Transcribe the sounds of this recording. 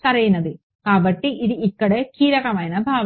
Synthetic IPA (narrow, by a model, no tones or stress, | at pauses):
t̪ɐɾɐjunːɐðɨ | kaːʋɐʈːiʔiðɯikːɐɽekiːɾɐkɐmaːjnɐbʱaːʋ